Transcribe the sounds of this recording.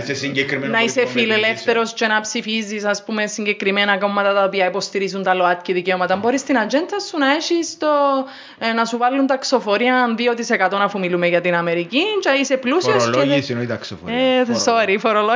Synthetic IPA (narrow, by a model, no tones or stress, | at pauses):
sesiɲɟekɾinɐisefilelefθeɾo̞sce̞nɐpsifizːisɐspume̞siɲɟe̞kɾimenɐko̞mːɐt̪ɐt̪ɐopiɐipost̪iɾizunt̪ɐloɐt̪̚ciðiceomɐt̪ɐmboɾist̪inɐd͡ʒent̪ʰɐsunɐeʃist̪o | nɐsuvalːunt̪ɐkso̞fo̞ɾiɐnðio̞t̪isekɐt̪o̞nɐfumilumeʝɐt̪inɐmeɾicit͡ʃɐiseplusioslesinoit̪ɐksofo̰soɾifoɾolo